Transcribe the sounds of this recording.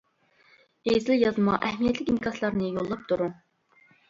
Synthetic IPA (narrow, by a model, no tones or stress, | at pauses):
ezɪljɑzɨmɑ̰ʔɛhmijɛt̪lɪkʲinkʰɑslˠɑɾnɨjolˠːɑp̚t̪ʰuɾuŋ